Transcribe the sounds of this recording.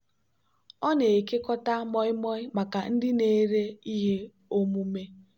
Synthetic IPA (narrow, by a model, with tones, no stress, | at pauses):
ɔ˦ne˨ke˦kɔ˦ta˦mɔ˦ɪ˦mɔ˦ɪ˦ma˨ka˨n̩˦dɪ˦ne˨˦ɾe˦i˦ɦe˦ | o˦mu˦me˦